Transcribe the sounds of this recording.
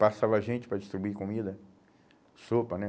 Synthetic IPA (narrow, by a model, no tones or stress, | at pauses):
pasavaʒẽt͡ʃɪ̥pɾɐd͡ʒist̪ɾibuikomid̪ɐ | sopɐnɛ